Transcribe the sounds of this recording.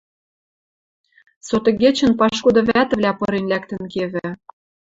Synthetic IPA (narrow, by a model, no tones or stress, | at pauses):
sot̪ɤ̆ɡet͡ɕə̆npɑʃkud̪ɤ̆βæt̪ɘ̆vlʲæpɤ̆ɾenlækt̪ə̆nkeβɘ̆